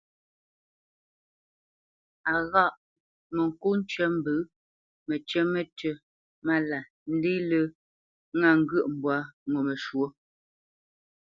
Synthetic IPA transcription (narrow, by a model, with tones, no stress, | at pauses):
a˨ɣa˦˨ʔ | mə˨ŋ̩˨ku˦n̩˦t͡ʃɥə˦m̩˦bɨ˨˦ | mə˨t͡ʃɥɛ˦me˨tə˨ | ma˦la˨ | n̩˦di˦lə˦ | ŋa˦˨ŋ̩˦ɡə˦˨ʔm̩˨bwa˦ŋo˨me˨ʃwo˦